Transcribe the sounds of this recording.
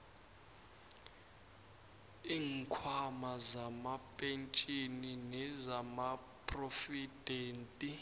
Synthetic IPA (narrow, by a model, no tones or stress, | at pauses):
iːŋkʰwamazamapʼent͡ʃʼininɛzama | pʰʼrofid̥ʱeːntʼi